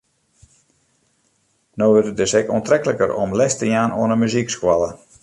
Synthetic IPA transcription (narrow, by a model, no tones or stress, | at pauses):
noːərtədɪsɛkɔ̰əntrɛkələkəɾɔ̰mlɛstəjaːnoənəmyzikskwalˠə